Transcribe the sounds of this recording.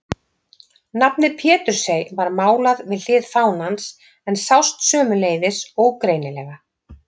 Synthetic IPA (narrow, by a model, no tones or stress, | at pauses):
napnɪpʰjɛːt̪ʏɾ̥sejvaɾmaːwlaðvɪðlɪːðfaːwnans | ɛnsawst̪sœːmʏleːjðɪsowkɾejnɪlɛːɣa